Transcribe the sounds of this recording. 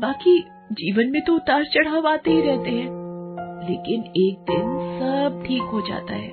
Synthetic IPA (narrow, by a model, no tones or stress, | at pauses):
baːki | d͡ʒiːʋənmẽt̪oʊt̪aːɾt͡ʃɐɽ̤aʋaːt̪eɦiɾɛɦt̪eɦɛ̃ː | lḛːkɪneːk̚d̪ɪnsɐb̚ʈʰiːkɦod͡ʒa̰ːt̪a̰ɦɛ̰ː